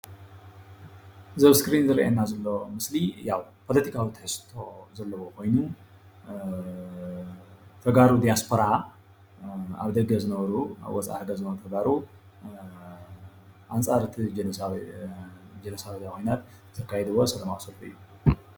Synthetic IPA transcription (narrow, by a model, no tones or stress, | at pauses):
zɐβskɾinzɨɾɐ̰ʔḛnːazɐlːo̞mɨslijawpʰo̞lɐt̪ʰikʰawit̪ʰɨħɨst̪ʰo̞zɐlːɐwo̞kʰo̞jnu | t̪ʰɐɡaɾud̪ijaspʰo̞ɾa | a̰βd̪ɐɡɐzɨnɐβɐɾua̰βwɔt͡sʼa̰ħɨɡɐzɨnɐβɾut̪ʰɐɡaɾu | ʔant͡sʼaɾɨt̪ʰid͡ʒ | d͡ʒɐnɐsaβd̪akʰo̞jnat̪ | z̥ʰɐkːajɛd̪ɨwːosɐlɐmawsɐlt̪uɨ̰jːu